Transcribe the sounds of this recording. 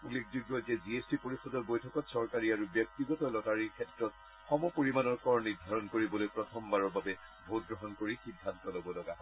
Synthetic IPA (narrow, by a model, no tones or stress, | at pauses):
ulːek̚ʰd͡ʒuɡɔzeziesdipoɹixɔdɔɹbojtʰɔkɔtsɔɹkaɹiaɹubjɔk̚tiɡɔtɔlɔtaɹiɹkʰɛtɹɔt̚ | xɔmɔpoɹimanɔɹkɔɹniɹdʱaɹɔnkoɹibɔlojpɹɔtʰɔmbaɹɔɹbabɛ | bʱot̚ɡɹɔɦɔnkoɹixidʱːantɔlobɔlɔɡaɦɔ